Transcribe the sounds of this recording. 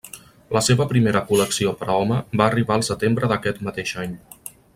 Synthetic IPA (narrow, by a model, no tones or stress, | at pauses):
ləseβəpɾimeɾəkuləksiopɾʔəɔməbaːriβaəlˠsət̪embɾəðəkɛt̪mət̪eʃaɲ